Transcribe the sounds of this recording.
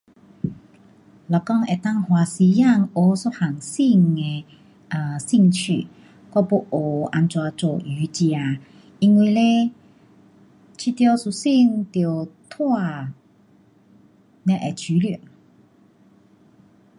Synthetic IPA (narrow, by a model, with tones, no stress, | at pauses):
lɔ˨˩kɔ˥˧ŋe˨˩t̪a˥˧ŋhwa˨˩si˧ja˥˧ŋo˧˦so˧˥ha˨˩ŋsi˥˧ŋe˧ | ə˨˩si˥˧ŋt͡ɕʰy̰˧˨ | kɔ˥˧˦po˧˦ʔo˨˩a˧nt͡swa˧t͡so̰˨˩y˨˦t͡ɕja˧ | i˧ŋwi˧le˦ | t͡ɕʰi˧t̪jɔ˧su˧˩si˥˧ŋt̪jo˨˩t̪ʰwa˥˧ | nɛ̃˧ʔe˨t͡ɕʰy˨˦li˨˩n